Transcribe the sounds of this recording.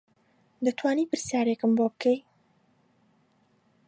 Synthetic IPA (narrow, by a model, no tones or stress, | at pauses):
d̪ɐt̪ʰwaːniːpɨɾsjaːɾekɨmboːbɨkʰej